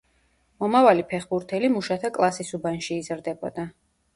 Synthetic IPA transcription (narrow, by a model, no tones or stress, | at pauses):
mɔmavalipʰɛχbuɾt̪ʰɛlimuʃat̪ʰakʼlˠasisubanʃiːzɾd̪ɛbɔ̰d̪a